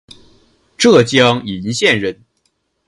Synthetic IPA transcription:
ʈ͡ʂɤ˥˩t͡ɕjɑ˥ŋi˧˥nɕjɛ˥˧nɻə˥˩n

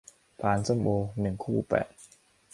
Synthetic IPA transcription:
pʰaː˨˥nsɤ˥˩˨mʔoː˧nɯ˨˩ŋkʰuː˥˩pɛ̰ː˨˩t̪̚

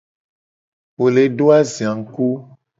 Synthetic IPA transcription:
wo˨le˨ɖo˦a˦zi˨a˨ŋ̩˨ku˦

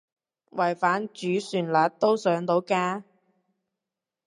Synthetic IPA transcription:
wɐ˨˩jfaː˨˥nt͡ʃyː˨˥syː˨˩nlaː˨˩t̚t̪ːo˥wsœː˨˥ŋt̪o˨˥wkaː˥

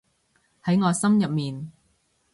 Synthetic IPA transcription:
hɐ˨˥jŋɔː˨˧jsɐ˥mjɐ˨p̚miː˨n

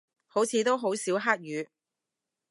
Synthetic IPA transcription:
ho˨˥wt͡sʰiː˨˧t̪o˥wɦo˨˥wsiː˨˥wɦaː˥k̚jyː˨˧

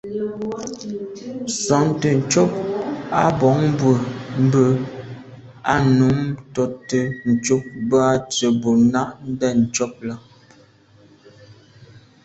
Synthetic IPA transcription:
sa˨ŋtə˨n̩˨t͡ʃɔ˦p̚a˦bɔ˨˦ŋ˦bwə˨m̩˦bə˦ | a̰˦nu˨˦mtɔ˨tə˨n̩˨t͡ʃo˦p̚ba˦t͡ʃə˨bo˨na˦ʔn̩˦dɛ˦˨n̩˨t͡ʃɔ˦p̚la˦

